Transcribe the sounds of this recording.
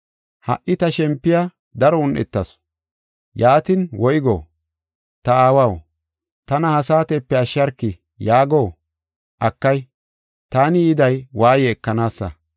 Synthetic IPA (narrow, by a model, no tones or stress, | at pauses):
hɐ̰ʔːɪt̪ɐʃɛmpːɪja | d̪ɐɾɔʊnʔɛ̰t̪ːɐs | jaːt̪ɪnwɔjɡo̰ː | t̪ɐaːwɐw | t̪ɐnɐhɐsaːt̪ɛpːɛɐʃːɐɾkːɪ | jaːɡoː | ʔɐkːɐj | t̪aːnɪɪd̪ɐjwaːjɛːkːɐnaːsːɐ̰